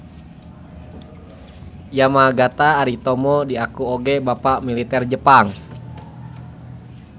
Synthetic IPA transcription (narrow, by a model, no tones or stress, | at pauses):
jamaɡat̪aːɾit̪ɔmɔdiakuoɡɛbapaʔmilit̪ɛrd͡ʒəpaŋ